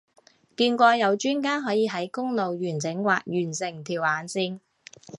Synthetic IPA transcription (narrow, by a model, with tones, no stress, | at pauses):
kiː˧nkʷɔː˧jɐ˨˧wt͡ʃyː˥nkaː˥nɦɔː˨˥jiː˨˧ɦɐ˨˥jkʊ˥ŋlo˨wjyː˨˩nt͡sɪ˨˥ŋwa̰ː˨k̚jyː˨˩nsɪ˨˩ŋt̪ʰiː˨˩wʔaː˨˧˥nsiː˧n